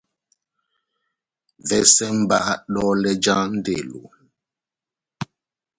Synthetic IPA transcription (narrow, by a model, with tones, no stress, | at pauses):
vɛ˦sɛ˦m̩˦ba˦ʔa˦ɗɔ˦lɛ˦d͡ʒa˦n̩˦de˨lo̰˨